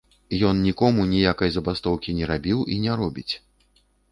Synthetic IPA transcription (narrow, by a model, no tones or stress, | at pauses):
jɔnnʲikɔmunʲijakɐjzɐbast̪ɔwkʲinʲɛɾabʲiwʔinʲɛɾɔbʲit͡sʲ